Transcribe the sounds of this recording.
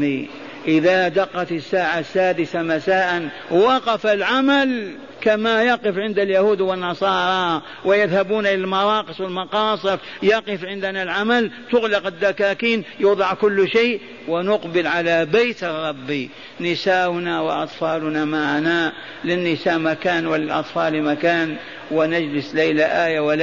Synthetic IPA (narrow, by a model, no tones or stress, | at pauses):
i | ʔɪðad̪ɑqːɑt̪ɪsːaːʕasːaːd̪ɪθamasaːʔan | wɑqɑfalʕamal | kamajɑqɨfʕɪnd̪aljahuːd̪wɪnːɑsˤɑːɾˤɑ | wɪjɪðhabuːnʔɪlalmɑɾˤɑːqɨsˤwɪlmɑqɑːsˤɨɾ | jɑqɨfʕɪnd̪analʕamalt̪ʊɣlɑqɪd̪ːakaːkiːnjuːd̪ˤɑʕkʊlːʃeːʔ | wɪnʊqbɪlʕalabejt̪ɑrˤːɑbːi | nɪsaːʔʊnawɪ̰ʔɑt̪ˤfɑːlʊnamaʕana | lɪnːɪsaːʔmakaːnwɪlɪlʔɑ̰t̪ˤfɑːlimakaːn | wɪnad͡ʒlɪslejlaʔaːjawɪl